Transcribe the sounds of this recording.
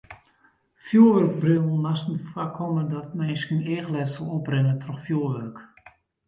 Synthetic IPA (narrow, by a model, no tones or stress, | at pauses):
fjuəʋørk̚brylˠnnasn̩fakʰɔmədɔt̚mɛjskəneːxlɛtsɔlˠɔprɪŋətʰrɔxfjuəʋørk